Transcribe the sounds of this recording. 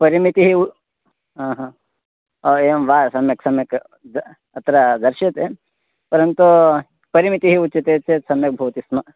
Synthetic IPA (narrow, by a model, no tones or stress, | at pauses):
pɐɾimit̪iɦiu | ɦãːɦã | emʋaːsɐmjɐksɐmjɐk̪ | ɐt̪ɾad̪ɐɾʃɐt̪e | pɐɾɐnt̪u | pɐɾimit̪iɦiutːt͡ʃɐt̪et͡ʃet̪sɐmjɐk̚bʱɐʋt̪ismɐ